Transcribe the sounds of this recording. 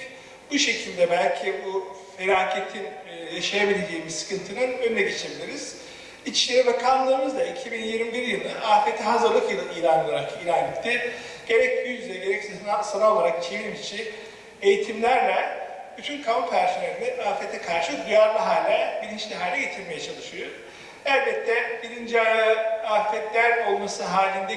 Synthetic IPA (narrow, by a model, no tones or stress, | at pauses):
buʃe̞cʰilʲd̪ɛbælʲcʰibu | feɾʲaːcʰet̪ʰinjaʃajabilʲed͡ʒeːmizsɯ̥kʰɯnt̪ʰɯnɯnønnʲɛɡet͡ʃʰebilʲiɾiz̥ | it͡ʃlʲeɾivakʰamlˠaɾɯmɯzd̪aicʰibinjiɾmibiɾjɯlˠɯʔaːfet̪ʰiɦazɯɾlˠɯkjɯiːlʲanolˠaɾakiːlʲanʲet̪ʰːiɟ̥e̞ɾɛc̚yjyzɛɟe̞ɾɛcsesnasanao̞lˠaɾaki̥t͡ʃʰejinimit͡ʃʰi | ejit̪ʰimlʲæɾlʲɛ | byt̪ʰynkʰamupʰæɾsinʲeɾinɛaːfɛt̪ʰɛkʰaɾʃɯd̪yjaɾmaɦalʲːɛbiɾint͡ʃlʲɛɦaːlʲɛɟe̞t̪ʰiɾme̞jɛt͡ʃʰalˠɯʃɯjoɾ | ælʲbɛt̪ʰːɛbiɾind͡ʒiajaːfɛt̪lʲæɾo̞lˠmasɯɦaːlʲind̪ɛ